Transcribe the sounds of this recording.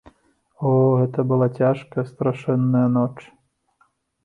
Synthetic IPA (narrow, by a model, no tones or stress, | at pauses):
ɔɣɛt̪ɐbɨlˠat͡sʲaʂkɐjɐst̪ɾaʂɛnːɐjɐnɔt͡ʂ